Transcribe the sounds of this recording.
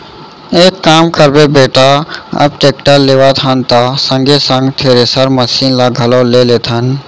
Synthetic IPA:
eːkːaːmkəɾbebeːʈaɐ̰b̚ʈeːkʈəɾleːʋat̪ʰant̪asə̃ŋɡesə̃ŋɡt̪ʰeːɾesəɾməsiːnlaɡʱɐloːleːleːt̪ʰan

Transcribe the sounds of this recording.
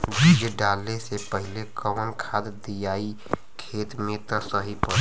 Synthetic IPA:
bid͡ʒɖaːlːesepəɦɪlekəʋənkʰaːd̪d̪ijaːi | kʰeːt̪mẽt̪əsəɦipə

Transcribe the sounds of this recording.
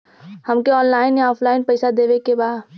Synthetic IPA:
hɐmkeɔːnlaːɪnjaɔːpʰlaːɪnpɛɪsad̪eːʋekebaːd̪

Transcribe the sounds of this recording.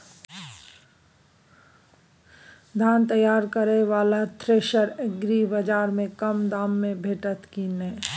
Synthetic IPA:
d̪ʱaːnt̪əjaːɾkəɾeʋaːlat̪ʰɾeːʃəɾeɡɾibɐd͡ʒaːɾmẽkɐmd̪aːmːẽbʱeːʈət̪kinɛː

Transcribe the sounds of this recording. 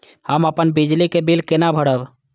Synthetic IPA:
həməpənbɪd͡ʒlikebɪlkɪnabʱəɽəb

